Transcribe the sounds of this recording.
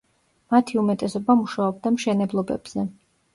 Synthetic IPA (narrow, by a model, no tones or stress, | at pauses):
mat̪ʰiumɛt̪ʼɛsɔbamuʃaɔb̚d̪amʃɛnɛblˠɔbɛ̰b̥z̥ɛ